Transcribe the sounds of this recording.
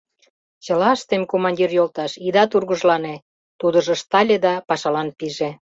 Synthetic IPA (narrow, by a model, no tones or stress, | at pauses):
t͡ɕəlɑʃt̪emkomɑnʲd̪ʲirjolt̪ɑʃid̪ɑt̪urɣə̆ʒlɑne | t̪ud̪ə̆ʒŏʃt̪ɑlʲed̪ɑpɑʃɑlɑnpiʒe